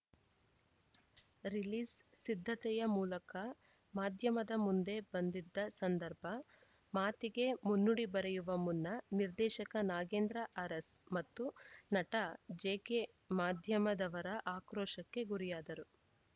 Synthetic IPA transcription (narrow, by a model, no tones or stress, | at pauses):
ɾiliːssid̪ʱːɐt̪ɛjɐmuːlɐkɐ | maːd̪ʱjɐmɐd̪ɐmund̪e̞bɐnd̪id̪ːɐsɐnd̪ɐɾbʱɐ | maːt̪iɡe̞munːuɽibɐɾejuʋɐmunːɐniɾd̪ɛːʃɐkɐnaːɡe̞ːnd̪ɾɐʔɐɾɐsmɐt̪ːunɐʈɐd͡ʒeːke | maːd̪ʱjɐmɐd̪ɐʋɐɾɐʔaːkɾɔːʃɐkːe̞ɡuɾijaːd̪ɐɾu